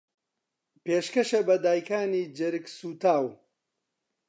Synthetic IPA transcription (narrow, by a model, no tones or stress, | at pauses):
peːʃkɐʃɐbɐd̪aːjkaːniːd͡ʒɪɾɨksuːt̪aːw